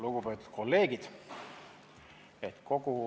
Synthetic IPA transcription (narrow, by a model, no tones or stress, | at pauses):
luɡ̥upe̞ːt̪ːˑu̥t̪̚ko̞lːe̞ːɡid̪̥ | et̪ko̞ɡu